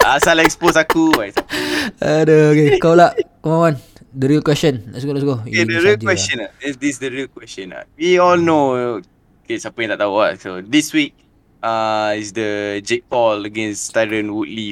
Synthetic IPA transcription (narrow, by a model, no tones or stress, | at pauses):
asalaɛksposakubajsaadookekalaʔkəmawandəɾiəlkwɛsə̃nlɛ̰ʔsɡolaʔsɡoedəɹiəlwɛst͡ʃə̃naɛdisdəɹiəlkwɛst͡ʃə̃na̰wiɔlnoo | kesapjãt̪aʔt̪auwa̰tsodiswik̚ | aisdəd͡ʒepɔləɡẽnst̪aɹə̃nwut̚li